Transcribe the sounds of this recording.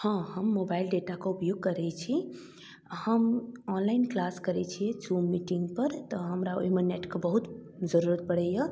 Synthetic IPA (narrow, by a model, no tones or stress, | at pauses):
hɔ̃həmːobailɖeʈakeupjoɡ̚kəɾɛt͡ʃʰi | həmɔnlainklaskəɾɛt͡ʃʰijɛd͡ʒumːiʈiŋɡpəɾt̪əɦəmɾao̰ɦimeneʈkebəɦut̪ | d͡ʒəɾuɾət̪̚bəɽɛjə